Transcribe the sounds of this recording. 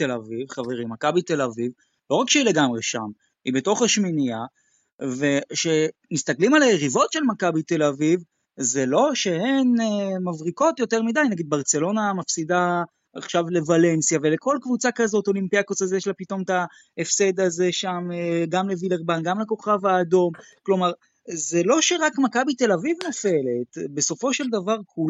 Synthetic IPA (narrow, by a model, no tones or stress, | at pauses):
t̪elavivχaveʁimakabit̪e̞laviv | lo̞ʁakʃeileɡamʁeʃa̰m | ḭbe̞t̪o̞χaʃminija | ve̞ʃe̞ | mist̪aklimalajeʁivo̞tʃe̞lmakabit̪e̞laviv | ze̞lo̞ʃe̞henemavʁiko̞t̪jo̞teʁmid̪ajnaɡid̪̚baʁt͡se̞lo̞namafsid̪a | aχʃavle̞vale̞nsjave̞leko̞lkvut͡sakazo̞t̪o̞limpiakosazeʃlapito̞mta | efse̞d̪azeʃamɡamlevileʁbanɡamleko̞χavaːd̪o̞mklo̞maʁ | zelo̞ʃe̞ʁakmakabit̪e̞lavivno̞fe̞le̞tbe̞so̞fo̞ʃe̞ld̪avaʁkʰu